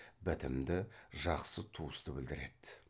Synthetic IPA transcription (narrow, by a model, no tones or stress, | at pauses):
bɪt̪ɪmd̪ɪʒɑqsət̪ʰuəst̪əbɪld̪ɪɾe̞d̪̥